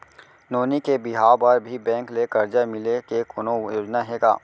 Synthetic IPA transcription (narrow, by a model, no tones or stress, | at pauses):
noːnikebɪɦaːbəɾbʱibɛ̃ːŋklekɐɾd͡ʒamɪlekekoːnojoːd͡ʒnaɦeːɡa̰ː